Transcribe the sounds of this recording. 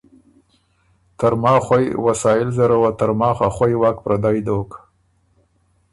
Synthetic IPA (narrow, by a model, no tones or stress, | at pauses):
t̪aɾmɑːxwajwasɑjɪlzaɾawat̪aɾmɑːxaxwajwɑːkpɾʔad̪ɑjd̪ok